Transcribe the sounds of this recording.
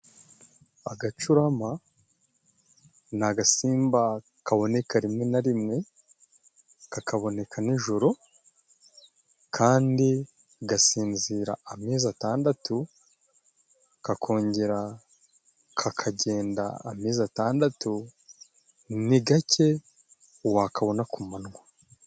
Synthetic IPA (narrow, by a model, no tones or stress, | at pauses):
aɡat͡ʃuɾama | naɡasiːmba | kaβo̞ne̞kaɾimŋe̞naɾimŋe̞ | kakaβo̞ne̞kʰaniʒoɾo̞ | kʰaːndi | ɡasiːnziːɾa̰ːmizataːndatu | kakʰo̞ːɲɟe̞ɾa | kʰakʰaɟe̞ːnda̰ːmiːzataːndatu | niɡace̞ | uwakʰaβo̞nakumanŋwa